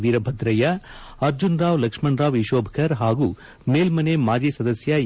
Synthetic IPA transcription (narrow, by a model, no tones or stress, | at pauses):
ʋiːɾɐbʱɐd̪ɾɐjɐ | ɐɾd͡ʒunɾaːʋlɐkʂmɐnɾaːʋiʃoːbʱkʰɐɾɦaːɡu | meːlmɐnemaːd͡ʒiːsɐd̪ɐsjɐ